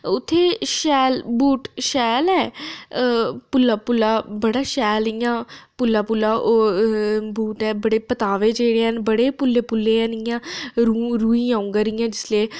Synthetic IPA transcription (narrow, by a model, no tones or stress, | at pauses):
ʊt̪ʰːeːʃɛːlbuːʈʃɛːlɛː | pʊlːaːpʊlːaːbəɽaːʃɛːlɪjãːpʊlːaːpʊlːaːʔo | buːʈɛːbəɽeːpət̪aːʋeːd͡ʒeːɽeːənbəɽeːpʊlːeːpʊlːeːənɪjãːɾuɾuːĩːãːũŋɡaːɾɪjãːd͡ʒɪsleː